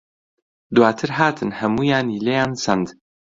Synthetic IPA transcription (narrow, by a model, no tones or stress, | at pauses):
d̪waːt̪ʰɨɾɦaːt̪ʰɨnhɐmuːjaːniːlejaːnsɐnd̪